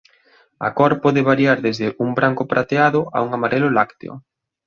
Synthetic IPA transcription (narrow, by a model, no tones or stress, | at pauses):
a̰kɔɾpɔðɪβaɾjaɾðezðɪʔumbɾaŋkʊpɾat̪eaðʊʔa̰uŋamaɾelʊlakt̪ḛʊ̰